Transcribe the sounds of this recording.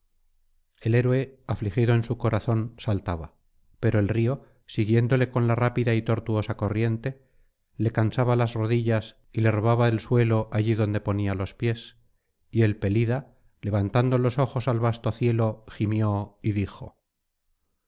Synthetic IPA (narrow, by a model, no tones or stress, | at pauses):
e̞le̞ɾwe̞aflixiðoe̞nsuko̞ɾʔaθo̞nsalt̪aβa | pe̞ɾo̞e̞lrio̞ | siɣje̞nd̪o̞le̞ko̞nlarapiðait̪o̞ɾt̪uo̞sako̞rje̞nt̪e̞ | le̞kansaβalazro̞ðiʝas | ile̞ro̞βaβaðelswe̞lo̞ʔaʝiðo̞nd̪e̞po̞nialo̞spje̞s | ie̞lpe̞liða | le̞βant̪and̪o̞lo̞so̞xo̞salβast̪oθje̞lo̞ximjo̞iðixo̞̰